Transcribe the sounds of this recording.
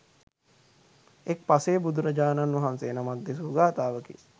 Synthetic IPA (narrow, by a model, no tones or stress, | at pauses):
ek̚paseːbud̪uɾəd͡ʒaːnanʋɐɦanseːnamak̪̚d̪es̬oɡaːt̪aːʋəkḭ